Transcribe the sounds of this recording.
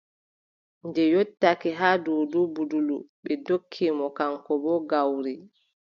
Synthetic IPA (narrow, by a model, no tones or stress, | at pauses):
ndɛjotːakɛɦaːdɔwdubuduluɓɛdokʰːimɔkaŋkɔbɔɡawɾi